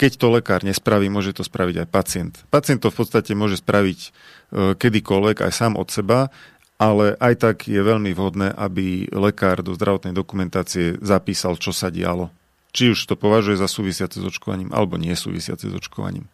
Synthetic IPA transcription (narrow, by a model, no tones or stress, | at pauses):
kɛct̪ɔlɛkaːɾɲɛspɾaʋiːmʊɔʒɛt̪ɔspɾaʋiɟajpat͡sɪɛnt̪pat͡sɪɛnt̪ːɔfpɔt̪st̪acɛmʊɔʒɛspɾʔaʋic | kɛd̪ikɔlʋɛɡa̰jsaːmɔ̰t̪sɛba | ʔalɛʔajt̪aɡjɛʋɛʎmiʋɦɔd̪nɛːʔabilɛkaːɾd̪ɔzd̪ɾaʋɔt̪nɛjd̪ɔkumɛnt̪aːt͡siɛzapiːsalt͡ʃɔsaɟɪ̰a̰lɔ | t͡ʃiuʃt̪ɔpɔʋaʒujɛzasuːʋisɪat͡sɛzɔt͡ʃkɔʋa̰ɲiːmʔa̰lɛbɔɲɪɛsṵːʋḭsɪa̰t͡sɛ̰zɔ̰t͡ʃkɔʋa̰ɲḭːm